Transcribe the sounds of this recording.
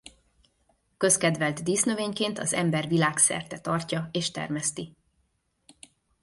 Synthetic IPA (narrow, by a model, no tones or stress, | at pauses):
kø̞skɛd̪vɛlt̪d̪iːsnøveːɲkeːnt̪ɒzɛmbɛrvilaːksɛ̰rt̪ɛt̪ɒrcɒeːʃt̪ɛ̰rmɛst̪i